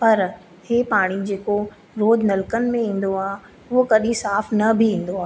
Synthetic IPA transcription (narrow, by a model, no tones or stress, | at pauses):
pɐɾ | heːpaːɽ̃id͡ʑeːko | ɾoːd͡ʑnɐlkənɪ̆mẽĩːn̆d̪oaː | ʊɦokɐɗĩsaːfnɐbʱiĩːn̆d̪oaːɦ